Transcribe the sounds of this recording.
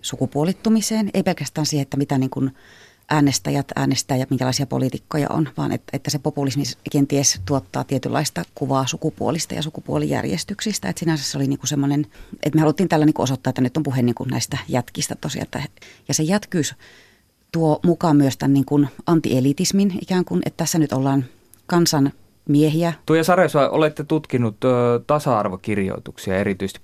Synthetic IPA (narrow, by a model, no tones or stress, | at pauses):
sukupuolit̪ːumiseːnḛipelkæst̪æːnsiːhet̪ːæmit̪æniːŋkun | ʔæːnest̪æ̰jæt̪æ̰ːnest̪æːjɑmiŋkælɑˑisiɑpo̰lit̪ikːojɑ̰ʔo̰nʋɑ̰ːnʔḛt̪ːæet̪ːæsepopulismiskent̪iest̪uot̪ːɑ̰ːt̪iet̪ylːʔɑ̰ist̪ɑkuʋɑːsukupuolist̪ɑ̰jɑ̰sukupuolḭjæ̰rjḛst̪yksist̪æet̪sinæsæsseoliniːŋkusemːonenʔḛt̪mehɑlut̪ːiːnt̪æːlːæniŋkuosot̪ːɑːet̪ːænyt̪ːompuhenniːŋkunnæ̰ist̪æjæt̪kist̪æt̪osijɑ̰ḛt̪ːæ̰jɑsejæt̪kyːs | t̪uomukɑmyøst̪ænniːŋkunɑnt̪ḭʔelit̪isminʔḭkæːŋkunʔḛt̪t̪æsːænyt̪olːɑːn | kɑnsɑn | miehiæt̪uojɑsɑroisɑiʔo̰let̪ːet̪ut̪kinut̪ːt̪ɑsɑɑrʋokirjo̰it̪uksiɑ̰erit̪yist̪i̥